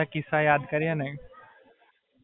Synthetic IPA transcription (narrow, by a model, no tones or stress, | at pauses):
akɪsajaːd̪kɐɾianɐĩ